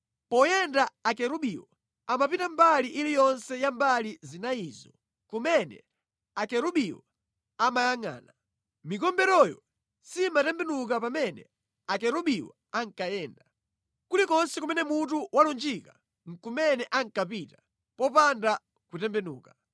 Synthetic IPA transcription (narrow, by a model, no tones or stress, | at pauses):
pɔjɛndaːkɛɾuɓiwɔ | amapitambaliʔilijɔnsɛjambalizinaiːzɔ | kumɛnɛ̰ | akɛɾuɓiwɔ̰ | amajaŋa̰ːna | mikɔmbɛɾɔjɔ̰ | simatɛmbɛnuk̬apamɛnɛ̰ | akɛɾuɓiwɔ̰ | aŋkajɛːnda | kulikɔnsɛkumɛnɛmutuwalund͡ʒika | ŋ̩kumɛnɛʔaŋkapitḁ | pɔpanda | kutɛmbɛnuːka